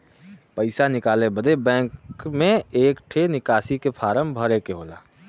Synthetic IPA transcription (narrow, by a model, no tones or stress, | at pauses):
pəɪsanɪkaːlẽbəd̪ʱebɛ̃ːŋkmẽeːkʈʰenɪkaːsikepʰaːɾəmbʱəɾekeɦoːla̰ː